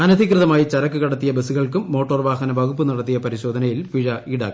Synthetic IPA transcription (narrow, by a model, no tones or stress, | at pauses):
ɐnɐd̪ʱikrɨðɐmaːjit͡ɕɐɾɐkːɨkɐɽɐt̪ːijɐbesuɣɐɭkumːo̞ːʈːoːrʋaːɦɐnɐʋɐɣupːɨnɐɽɐt̪ːijɐpɐɾiɕo̞ːd̪ʱɐnɐjilpiɻɐiːɽa̰ːkː